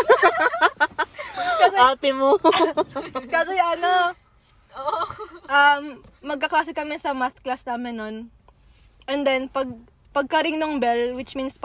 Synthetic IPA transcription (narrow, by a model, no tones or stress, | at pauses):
kɐsɛaːpɪmo | kɐsɛjɐno | ʔɐmːɐɡ̚kɐklaːsɪkɐmɛsɐmaθtklasnaːmɛnːon | ʔɛnd̪ɛnpɐɡ̚ | pɐɡ̚kɐɾɪŋnoŋbɛlwɪt͡ʃminsp